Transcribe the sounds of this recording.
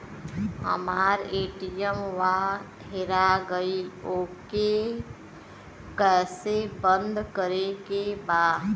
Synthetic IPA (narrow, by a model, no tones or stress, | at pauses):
ɦə̰maːɾeːʈijəmʋa | ɦɪɾaɡəioːke | kɛːsebə̃nd̪kəɾekebaːd̪